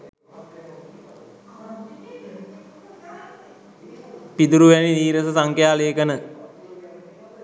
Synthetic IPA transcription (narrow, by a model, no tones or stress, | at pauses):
pid̪uɾuʋæniniːɾəsəsaŋkjaːləjəkənə